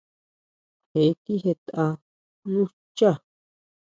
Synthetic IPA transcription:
he˨˦t̪i˦ɦe˧t̪a˧ | nũ˦ | t͡ʃa˦˨

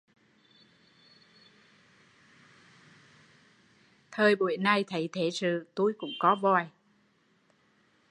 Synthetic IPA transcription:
t̪ʰəː˧jɓu˧˩əjna˧jt̪ʰə˨˦jt̪ʰe˧˦sɨ̰˧˨t̪u˧jkʊ̰˧˥ŋ͡mkɔ˨˦vɔ˧˩j

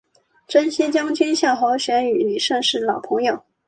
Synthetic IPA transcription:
ʈ͡ʂə˥nɕɛ˥t͡ɕjɑ˥ŋt͡ɕʰi˥nɕjɑ˥˩ʊxɑ˧˥ʊɕɥɛ˧˥ny˨˩ly˨˩ʂə˥˧ŋʂɻ̩˥˩lɑ˨˩ʊpʰɤ˧˥ŋjo˨˩ʊ

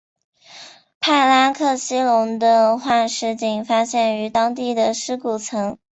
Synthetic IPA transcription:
pʰa˥˩ɪla˥nkʰɤ˥˩ɕi˥lʊ˧˥ŋd̪ə˧xwa˥˧nʂɻ̩˥t͡ɕi˨˩ŋfa˥ɕjɛ˥˩ny˧˥t̪ɑ˥ŋt̪̬i˥˩d̪ə˩ʂɻ̩˥ku˨˩t͡sʰɤ˧˥ŋ

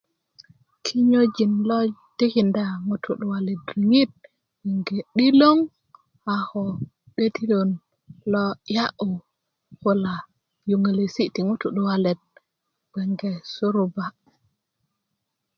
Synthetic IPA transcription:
kʰi˦ɲo˦d͡ʒi˨nlɔ˦te˦kinda˨ŋutʰṵ˨ɗu˨walɛ˨dɾi˨ŋi˦t̚ | wɛ˨ŋɡe˨ɗi˦lo˦ŋ | ahɔ | ɗe˦ti˦lo˨n | lɔ˦ja˦ʔu˨ | hu˦la˨ | ju˨ŋe˨le˨si˦ti˨ŋu˦tuɗuwalɛ˨t̚ | b̥ɛ˨ŋɡɛsu˦ɾuba˨

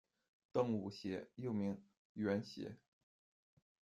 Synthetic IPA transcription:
t̪ɤ˥˩ŋu˨˩ɕjɛ˧˥jo˥˩ʊmi˧˥ŋ | ɥɛ˧˥nɕjɛ̰˧˥

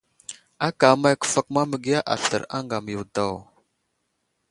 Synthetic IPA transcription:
a˦ka˨ma˦jkə̥˨fa˨k̚ma˦mə˨ɡi˦ja˦ʔa̰˨ɬə̰˨ɾa̰˦ŋɡa˨m˨ju˨wda˦˨w

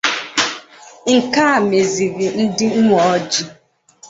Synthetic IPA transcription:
ŋ̩˨ka˦a˨me˨zi˨ɾi˨n̩˦dɪ˦ŋ̩˦ŋʷɔ˨ɔ˦d͡ʒi˦

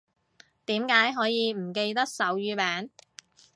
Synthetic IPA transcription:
t̪iː˨˥mkaː˨˥jɦɔː˨˥jiː˨˧m̩˨˩ke˧jt̪ɐ˥k̚sɐ˨˥wjyː˨˧pɛː˨˥n

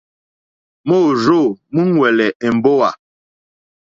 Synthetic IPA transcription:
mo˦˨ɾo˦˨mu˦ŋ˦wɛ˨lɛ˨e˨m̩˨bo˦wa˨

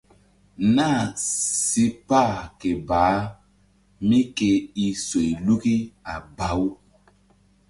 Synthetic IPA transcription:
na˦˨si˦pa˦˨ke˨baː˨˦ | mĩ˦ke˧i˦swe˨i˨lu˦ki˦a˨ba˦w

